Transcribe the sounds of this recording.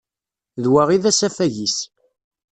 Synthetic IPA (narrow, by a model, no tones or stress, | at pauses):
ðwaʁiðæsæfæʝis